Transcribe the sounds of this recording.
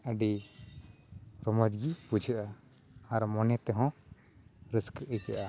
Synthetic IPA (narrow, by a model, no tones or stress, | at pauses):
ʔəɖi | ɾɔmɔd͡ʒɡipud͡ʒʱəʔa | aɾmɔnɛt̪ɛɦɔ̃ | ɾiskʔət͡ʃəʔa